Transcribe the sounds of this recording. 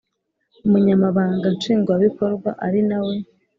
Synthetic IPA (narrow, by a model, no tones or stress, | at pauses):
umuɲamaβaːŋɡat͡ʃiːŋɡwaβiko̞ɾɡwa̰ʔaɾinawe̞